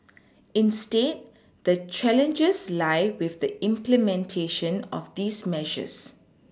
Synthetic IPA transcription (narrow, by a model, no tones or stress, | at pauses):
ĩnsted̚ | dət͡ʃɛlə̃nd͡ʒəslaɪwɪfd̪əʔɪ̃mplɛmɛ̃ntʰeʃə̃nɔ̰fd̪iːsmɛʒə̰s